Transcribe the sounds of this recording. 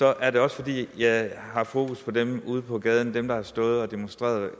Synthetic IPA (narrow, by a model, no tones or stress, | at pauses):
sɒ̽ʔæɐɾe̝ɒ̽səfɒ̽d̥ḭːjɑ̈ɪɦɑ̈fo̝ːkʰuspʰɒ̽d̥emuːð̞̩ˠpʰɒ̽ɡ̥ɛːð̞ˠn̩d̥emd̥ɑ̈æɐsd̥ɔ̽ːð̞̩ˠɒ̽d̥e̝monsd̥ʁḛːɐðˠ